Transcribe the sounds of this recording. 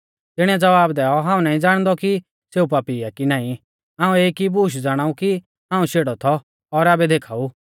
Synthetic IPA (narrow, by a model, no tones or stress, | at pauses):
t̪ɪɽ̃ɛd͡zɐʋaːbd̪ɛːɔɦãːũnaːĩd͡zaːɽ̃d̪ɔki | seːupaːpiakinaːĩ | ɦãːũeːikibuːʃ̬d͡zaːɽ̃aːuki | ɦãːũʃeːɽɔt̪ʰɔ | ɔɾaːbɛd̪eːkʰaːu